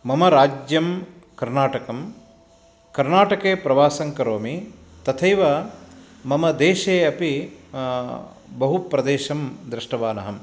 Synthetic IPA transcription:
mɐmɐɾaːd͡ʒjɐm | kɐɾnaːʈɐkɐm | kɐɾnaːʈɐkeːpɾɐʋaːsɐŋkɐɾoːmi | t̪ɐt̪ʰɐjʋɐ | mɐmɐd̪eːʃeːɐpi | bɐɦupɾɐd̪eːʃɐmd̪ɾɪʂʈɐʋaːnɐ̰ɦɐm

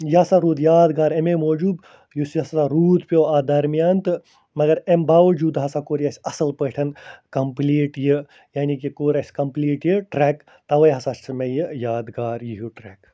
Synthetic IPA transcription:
jɦɐsaɾuːd̪jaːd̪ɡaːɾememoːd͡ʒuːb | jusɐsaɾuːd̪pʲjoːad̪ɐɾmijaːnt̪ɨ | mɐɡɐɾembaːʋɐd͡ʒuːd̪ɦɐsakoːɾjɐsʲɐsɐlpəːʈʰɐnkɐmpliːʈjɨ | jaːnikikoːɾʲɐsʲkɐmpliːʈjɨʈɾɛːk | t̪ɐʋɐjɦɐsassʰmejɨjaːd̪ɡaːɾjiɦuʈɾɛːk

